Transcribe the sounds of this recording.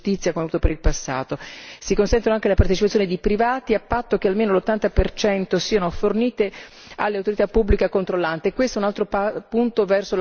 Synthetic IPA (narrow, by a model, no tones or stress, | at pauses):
t̪it̪sːjakomeavuːt̪opeɾilpasːa̰ːt̪osikonsɛnt̪onoaŋkelapaɾrt̪et͡ʃipat̪sjoned̪ipɾivaːt̪iapːat̪ːok̟ealmeːnolot̪ːant̪apert͡ʃɛnt̪osiːanoforniːt̪e | alːeawt̪oɾit̪apːubːlikakont̪ɾolːant̪eːkːwest̪ounalt̪ɾopapunt̪ovɛrsol